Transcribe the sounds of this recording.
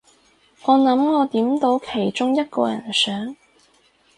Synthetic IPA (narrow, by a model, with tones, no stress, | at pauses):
ŋɔː˨˧nɐ˨˧˥mŋɔː˨˧t̪iː˨˥mt̪o˨˧˥wkʰe˨˩jt͡sʊ˥ŋjɐ˥t̚kɔ̰ː˧jɐ̰˨˩nsœː˨˥ŋ